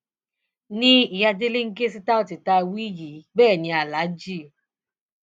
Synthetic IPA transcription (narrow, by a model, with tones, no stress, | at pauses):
nĩ˦i˨ja˧de˦le˦ŋ̩˦ɡe˦si˦˧ta˦o˦˨ti˨ta˧wi˦ji˨˦bɛː˦˨nĩ˨˧a˨la˨˦d͡ʒi˦˨